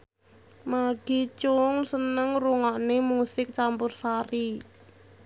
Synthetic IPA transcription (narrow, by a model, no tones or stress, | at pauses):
maɡ̥it͡ʃʊŋsənəŋruŋɔʔnemusɪk̚t͡ʃampʊrsaɾi